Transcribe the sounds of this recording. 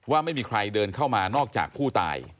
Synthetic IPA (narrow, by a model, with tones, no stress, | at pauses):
waː˥˩ma˥˩jmiː˧kʰɾa˧jdɤː˧nkʰa˥˩wmaː˧nɔː˥˩k̚t͡ɕa̰ː˨˩k̚pʰuː˥˩t̪a̰ː˧j